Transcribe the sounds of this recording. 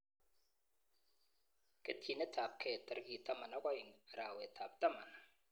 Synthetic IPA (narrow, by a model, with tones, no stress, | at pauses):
ke˦tʰi˨nɛ˦tʰaː˨p̚kʰɛ˦˨ta˦ɾɡi˨tʰa˦ma˨na˦kɔ˦ji˨ŋa˨ɾaː˨we˨tʰa˨b̚ta˦ma˨na˨